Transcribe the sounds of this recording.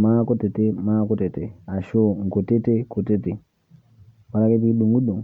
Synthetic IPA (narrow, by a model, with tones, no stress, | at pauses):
ma˦kɔ˦te˨te˦ma˦kɔ˦te˨te˨a˨ʃo˦ŋ̩˨ko˨te˦te˦ko˨te˦te˨ | wa˨ɾa˦ke˦t̬i˦ɗu˨ŋɡu˦ɗu˨ŋ˨